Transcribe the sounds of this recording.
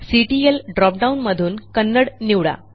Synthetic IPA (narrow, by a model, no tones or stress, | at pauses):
siʈielɖɾɔp̚ɖawunməd̪ʱuːnkənːəɽniwɽa̰